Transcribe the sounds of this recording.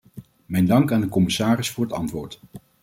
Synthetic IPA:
mɛjndɑŋkaːndəkɔmɪsaːrɪsfʊːɹɦətɑ̰ntʋʊːɹt

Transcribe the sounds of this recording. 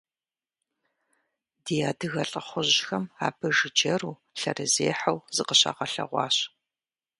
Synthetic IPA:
dijaːdɨɣɐɬʼɐχʷʊʑxɐma̰ːbʰɨʒɨd͡ʒɐɾuː | ɬɐ̰rɨzeːħɐwzɨqəɕa̰ːʁɐɬɐ̰ʁʷɑ̰ːɕ

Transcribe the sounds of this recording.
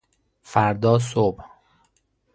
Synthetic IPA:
fæɾd̪ɒːs̬ob

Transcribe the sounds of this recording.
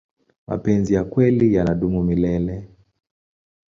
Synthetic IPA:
ma̰pɛnzijakwɛlijanaɗumumilɛlɛ

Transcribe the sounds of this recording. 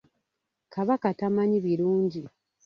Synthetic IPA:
kaβakatamaɲiβiɾuːɲɟi

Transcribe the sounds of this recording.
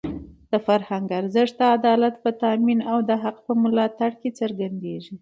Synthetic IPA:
d̪̥əfaɾhaŋɡaɾzəʂd̪əad̪ɑlat̪pət̪aminawd̪əɦaqpəmʊlɑt̪aɽket͡səɾɡand̪eʒi

